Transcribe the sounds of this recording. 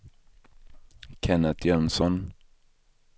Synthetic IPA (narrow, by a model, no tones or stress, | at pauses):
kʰɛnət̪ʰjœnsɔn